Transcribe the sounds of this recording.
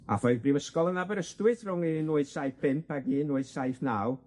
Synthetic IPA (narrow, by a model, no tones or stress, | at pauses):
a̰fɔɨðbriwəskɔlˠənabəɾəstwɨθrʊŋinuɨðsajθpʰɪmpʰaɡiːnuɨðsajθnaːw